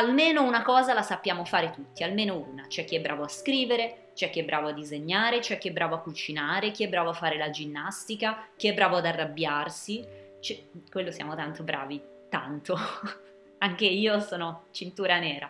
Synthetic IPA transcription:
almeːnounakɔːzalasapːjaːmofaːɾet̪ut̪ːialmeːnouːnat͡ʃɛk̟ːiɛbːɾaːvoaskɾiːveɾe | t͡ʃɛkːiɛbːɾʔaːvoad̪ːizeɲːaːɾet͡ʃɛkːiɛbːɾʔaːvoakːut͡ʃinaːɾek̟iɛbːɾaːvoafːaːɾelad͡ʒinːast̪ikak̟iɛbːɾaːvoad̪arːabjarsit͡ʃɛkwelːosja̰ːmot̪ant̪obɾa̰ːvi | t̪a̰nt̪o | aŋk̟eiːosɔːnot͡ʃint̪uːɾanɛːɾa

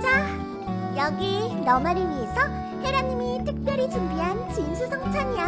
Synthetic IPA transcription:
d͡ʑa | jʌɡinʌmaɾɯɭɥiesʰʌ | he̞ɾanːimitʰɯk̚p͈jʌɾid͡ʑumbiɦant͡ɕinsʰusʰʌŋt͡ɕʰaɲia

